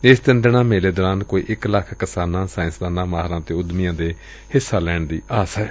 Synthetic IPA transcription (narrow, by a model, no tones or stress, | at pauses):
ɪsd̪ɪnd̪ɪɳ̃ãːmeːleːd̪ɔːɾãːnkoːḭːʔɪkləkʰkəsaːnãːsaːɪ̃nsd̪aːnãːmaːɦɾãːt̪eːʊd̪mijãːd̪eː | hɪsːaːlɛːɳd̪ḭːaːsɦɛː